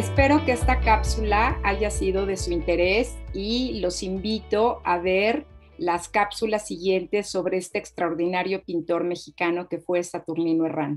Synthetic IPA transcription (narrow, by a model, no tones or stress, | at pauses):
espe̞ɾo̞keest̪akapsulaaʝasiðo̞ð̞e̞suint̪e̞ɾe̞silo̞simbit̪o̞aβe̞ɾ | laskapsulasːiɣje̞nt̪e̞sːo̞β̞ɾe̞e̞st̪eːkst̪ɾaoɾðinaɾjo̞pint̪o̞ɾme̞xikano̞ke̞fwe̞sat̪uɾnĩnweran